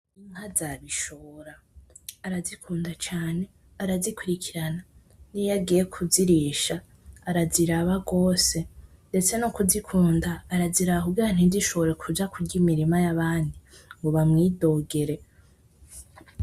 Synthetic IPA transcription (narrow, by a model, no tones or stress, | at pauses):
iŋ̥hazaβiʃoɾaː | ɾazikʰuːndat͡ʃaːne̞ | aɾazikuɾikʰiɾana | nijaɡije̞kʰuziɾiʃaː | ɾaziɾaβaɡo̞ːse̞ | nde̞t͡se̞nokuzikʰuːndaːɾaziɾaβakubɡiɾan̥hiziʃo̞βoɾe̞kʰud͡ʒakuɟimiɾimajaβaːndiŋɡoβamŋiːdo̞ːɡe̞ɾe̞